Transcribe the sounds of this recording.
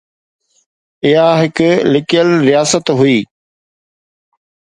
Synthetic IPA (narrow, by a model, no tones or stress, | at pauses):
ɪɦaɦɪkʊlɪkijəlɾijaːsət̪ɦʊiː